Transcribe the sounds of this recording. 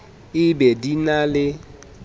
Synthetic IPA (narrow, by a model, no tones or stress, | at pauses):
ɪbedinalɪ